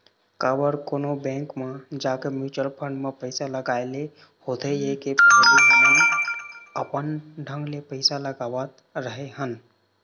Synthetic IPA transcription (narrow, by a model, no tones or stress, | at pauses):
kabəɾkonobɛ̃ŋkmə̃d͡ʒakemjut͡ʃəlpʰə̃ɳɖmẽpəɪsaləɡaele | hot̪ʰəjekepabiɦmən | əpənɖʱə̃ŋɡlepəɪsaləɡabət̪ | ɾəɦeɦən